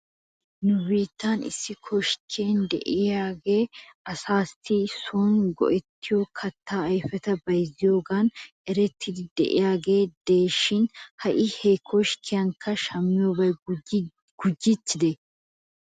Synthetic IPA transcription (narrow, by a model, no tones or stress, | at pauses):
nʊbiːt̪ːaːnɪ̰sːɪkʰɔʃkʰeːnd̪ɛ̰ʔɪjaːɡe̞ːʔɐsaːsɪsoːnɡɔ̰ʔɛt̪ːɪjokʰɐt̪ːaːɐjfɛt̪ɐbɐjzɪjoːɡaːnʔɛɾɛt̪ʰːɪd̪ɪd̪ɛʔɪ̰jaːɡe̞ːd̪̥eːʃːɪnhɐʔɪhekʰɔʃkʰɪjɐŋkʰːɐʃɐmːɪjobɐj | ɡ̥ʊd͡ʒːɪt̪ːɪd̪ɛ